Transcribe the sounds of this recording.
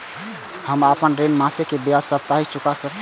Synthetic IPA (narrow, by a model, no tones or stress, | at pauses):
həməpənɾenmãsekebjasəb̚t̪aɦit͡ʃukasək